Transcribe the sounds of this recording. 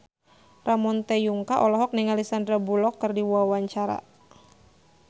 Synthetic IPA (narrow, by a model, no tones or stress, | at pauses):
ramɔnt̪ejuŋkaʔɔlɔɦɔk̚niŋalisandɾabulɔkːɨrdiwwawaɲt͡ʃaɾa̰